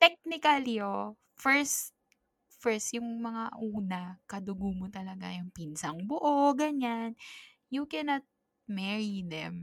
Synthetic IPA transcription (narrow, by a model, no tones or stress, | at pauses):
t̪ɛk̚nɪkɐlio | fɛɹst̪̚ | fɛɹst̪jʊŋmɐŋaʔuːnɐkɐd̪ʊɡumot̪ɐlɐɡa̰jʊŋpinsɐŋbʊʔoɡɐɲan | jukɛnɐt̪̚ | mɛɹid̪ɛ̰m